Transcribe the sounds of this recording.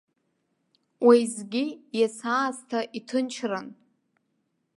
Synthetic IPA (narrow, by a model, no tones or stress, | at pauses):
wejzɡʲijasaːztʰaʔitʰɨnt͡ʃʰran